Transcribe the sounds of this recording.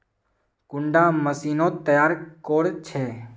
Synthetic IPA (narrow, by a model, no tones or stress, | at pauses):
kʊɳɖaːməsiːnõːt̪əjaːɾkoːɽt͡ʃʰeː